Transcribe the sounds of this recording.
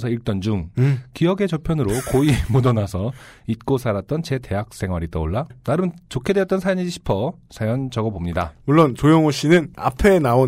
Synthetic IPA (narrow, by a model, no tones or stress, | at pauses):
sʰʌiɭt͈ʌnd͡ʑuŋkiʌɡe̞t͡ɕʌpʰjʌnɯɾokoimodʌnasʰʌit̚k͈osʰaɾat̚t͈ʌnt͡ɕe̞te̞ɦak̚s͈e̞ŋɦwaɾit͈ʌoɭːanaɾɯnt͡ɕokʰedweʌt͈̚ʌnsʰajʌɲiɕʰi̥pʰʌ | sʰajʌnd͡ʑʌɡʌbomɲidamuɭːont͡ɕojʌŋoɕ͈inɯna̰pʰe̞nao